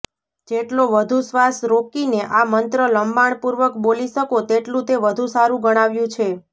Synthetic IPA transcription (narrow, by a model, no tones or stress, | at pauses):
d͡ʒeʈloʋəd̪ʱusʋasɾokineʔamənt̪ɾələmbaɳ̃puɾʋəkboliʃəkot̪eʈlũt̪eʋəd̪ʱũsaɾũɡəɽ̃aʋjũt͡ʃʰe